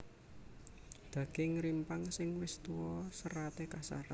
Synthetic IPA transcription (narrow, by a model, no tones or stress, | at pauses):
d̪̥ä̤ɡ̥ɪŋɾimpaŋsɪŋwɪst̪uwɔsəɾat̪ekasa̰ɾa